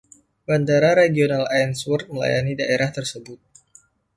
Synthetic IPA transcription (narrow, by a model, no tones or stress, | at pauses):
bandaɾaɾeɡionalajnswɔrt̪̚məla̰ja̰nidaʔeɾaht̪ərsəbʊt̪̚